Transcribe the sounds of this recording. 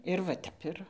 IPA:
ɪr ʋɐ ˈtʲɛp ɪr

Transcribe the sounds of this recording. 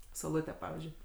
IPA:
sɐʊˈlˠʊtʲæː ˈpɑːʋʲiːzʲd͡ʒʲʊɪ

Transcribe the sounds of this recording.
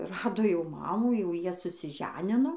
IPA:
ˈrɑːdoː jɛʊ ˈmɑːmuː jɛʊ ˈjiɛ sʊsʲɪˈʒʲæːnʲɪnoː

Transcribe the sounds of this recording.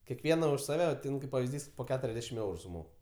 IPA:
kʲɛˈkʋʲiɛnɐ ʊʃ sɐˈʋʲɛ ˈtʲɪn kɐɪp pɐʋʲɪzʲˈdʲiːs poː ˈkʲæːtʊrʲɛzʲˌdʲæːʃʲɪm ˈɛʊrʊ sʊˈmoːk

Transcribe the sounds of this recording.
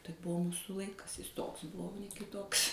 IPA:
tɐɪ ˈbʊʋoː ˈmuːsʊ ˈlˠɐɪkɐs jɪs ˈtoːks ˈbʊʋoː oː nʲɛ kʲɪˈtoːks

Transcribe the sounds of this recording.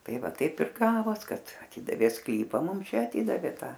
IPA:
ˈtɐɪ ˈʋɐ ˈtɐɪp ɪr ˈɡɑːʋoːs ˈkɐt ɐˈtʲɪdɐʋʲeː ˈsklʲiːpɐ ˈmʊm ˈt͡ʃʲɛ ɐˈtʲɪdɐʋʲeː ˈtɐ

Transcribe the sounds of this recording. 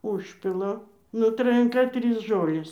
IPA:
ˈʊʃʲpʲɪlˠɐ nʊ trɐjɛŋˈkɐ ˈtʲrʲiːs ˈʒoːlʲeːs

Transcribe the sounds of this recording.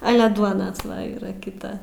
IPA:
ˈɑːlʲɛ ˈduɔnɐ ˈʋɐ iːˈrɐ kʲɪˈtɐ

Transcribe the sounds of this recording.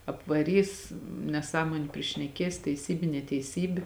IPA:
ɐpʋɐˈrʲiːs nʲɛˈsɑːmoːnʲʊ pʲrʲɪʃʲnʲɛˈkʲeːs tʲɛɪˈsʲiːbʲɪ nʲɛtʲɛɪˈsʲiːbʲɪ

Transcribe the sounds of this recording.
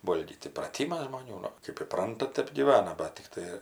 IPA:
ˈʋoːlʲɡʲiːt iːprɐˈtʲiːmɐs ʒmoːˈnʲuː ˈnʊ ˈkɜp iːˈprɐntɐ ˈtʲɛp ɡʲiːˈʋɑːnɐ ˈbɐt tʲɪkˈtɐɪ

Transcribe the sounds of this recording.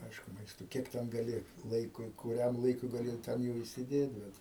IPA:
ˈɐɪʃkʊ ˈmɐɪstoː ˈkʲiɛk tʲɛn ɡɐˈlʲɪ ˈlˠɐɪkʊɪ kʊˈrʲɛm lˠɐɪˈkʊɪ ɡɐˈlʲɪ ˈtʲɛn jɛʊ iːsʲɪˈdʲeːt ˈbʲɛt

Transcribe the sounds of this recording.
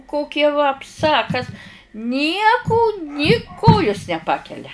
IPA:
ˈkoːkʲɛ ʋɐpˈsɐ ɐ ˈkɐs ˈnʲiɛkʊ nʲɪ ˈkoːjʊs nʲɛˈpɑːkʲɛlʲɛ

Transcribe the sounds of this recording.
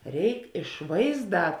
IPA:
ˈrʲɛɪk ɪʃ ˈʋɐɪzˌdɑː

